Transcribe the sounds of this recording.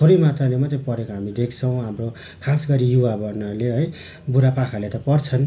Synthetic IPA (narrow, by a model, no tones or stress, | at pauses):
t̪ʰoɾimat̪alemat̪epʌɾekoɦamid̪ekʰt͡sʰʌw̃ɦamro | kʰasɡʌɾijuwabʌnʌleɦʌj | buɾapakʰalet̪ʌpʌrt͡sʰʌn